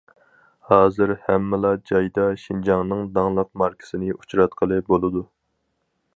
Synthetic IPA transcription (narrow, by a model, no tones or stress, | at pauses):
hɑːzɨɾhæmːɪlˠɑd͡ʒɑjd̪ɑʃind͡ʒɑŋnɨŋd̪ɑŋlˠəq̚mɑɾkʲʰɪ̥sɨnɪut͡ʃɾɑt̪̚qʰəlˠɨbolˠɨd̪u